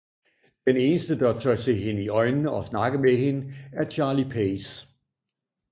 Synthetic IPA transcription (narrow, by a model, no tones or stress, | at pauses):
d̥ene̝ːnəsd̥əd̥ɑ̈t͡sʰœɪt͡sʰe̝ɦe̝nəiɒ̽ɪnnəɒ̽snɑ̈ɡ̥əmeɦe̝nəæɐɕʰɑ̈ːlipʰes